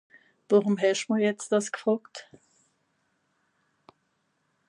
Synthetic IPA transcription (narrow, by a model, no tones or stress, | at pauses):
voʁʊmɦɛʃməɐjɛt͡st̚d̥askə̥fʁɔkt